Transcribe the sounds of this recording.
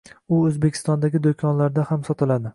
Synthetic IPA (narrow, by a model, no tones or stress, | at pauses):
ʊɵzbekʲʰɪ̥st̪ɒnd̪aɡʲɪd̪okʲʰɒnlaɾd̪ahamsɒt̪ʰɪlad̪ɪ